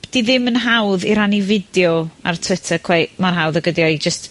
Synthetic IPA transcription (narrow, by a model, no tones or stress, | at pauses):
d̥iðɪmənɦawðiɾanivɪdjɔa̰rtʰw̥ɪtʰəkʰw̥ɛmanɦawðəɡədjɔid͡ʒəst